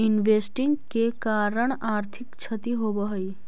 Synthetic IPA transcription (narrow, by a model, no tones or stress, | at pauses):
inʋesʈĩŋɡkekaːɾəɳ̃aːɾt̪ʰikt͡ʃʰət̪iɦobəɦəj